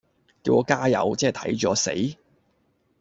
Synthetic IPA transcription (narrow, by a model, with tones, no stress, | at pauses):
kiː˧wʔɔː˧kaː˥jɐ̰˨˧wt͡sɛː˥˨t̪ʰɐ̰˨˥jt͡ʃɔː˨˥sḛ˨˥j